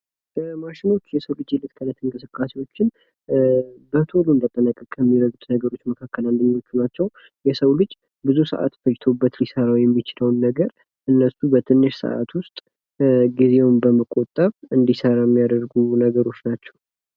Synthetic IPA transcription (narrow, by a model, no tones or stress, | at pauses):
bəmaʃɪno̞t͡ʃːjɛsəwlɨd͡ʒjelːɨt̪kʰənət̪ʰːɨŋkʼɨsɨkʼːase̞wo̞t͡ʃːɪn | bət̪ʰolund̪ət̪ʼːənəkʼːəkʼːɛmːiɾəɡut̪nəɡəɾo̞t͡ʃːməkʰakːəland̪ɨɲːo̞t͡ʃːunat͡ʃːɛw | jɛsəwlɨd͡ʒ | bɨzusə̰ʔa̰t̪fəd͡ʒt̪ʰo̞bːət̪lisəɾawjɛmːit͡ʃɪləwnːəɡəɾ | ʔɨnːəsubət̪ʰɨnːɨʃsə̰ʔa̰t̪wʊst̪ʼ | ɡize̞wnbəməkʼot̪ʼːəβɨnd̪isəɾajɛmːijad̪əɾɡunəɡəɾo̞t͡ʃːnat͡ʃːɛ̥w